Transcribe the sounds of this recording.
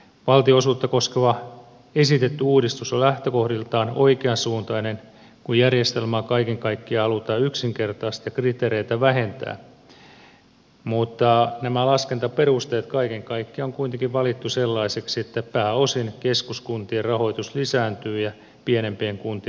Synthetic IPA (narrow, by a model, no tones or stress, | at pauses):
ʋɑlt̪ioosuːt̪ːɑkoskeʋɑ | esit̪et̪ːyuːdist̪usolæht̪økohdilt̪ɑːno̰ikeɑnsuːnt̪ɑinen | kujjærjest̪elmɑːkɑikeŋkɑikːiɑhɑlut̪ɑːyksiŋkert̪ɑːst̪jɑkrit̪eːɾeit̪æʋæɦent̪æ̰ː | mut̪ːɑnæmælɑskent̪ɑperust̪eːt̪kɑikeŋkɑikːioŋkuint̪eŋkiʋʋɑlit̪ːuselːɑiseksiet̪ːæpæːosinkeskuskunt̪ierrɑho̞it̪uslisæːnt̪yːjɑ | pienempieŋkunt̪i